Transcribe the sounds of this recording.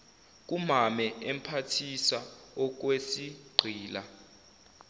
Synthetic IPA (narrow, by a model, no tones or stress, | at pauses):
k̬ʼumamɛɛm̩pʰatʰisaɔk̬wesiɡ͡ǀʱiːla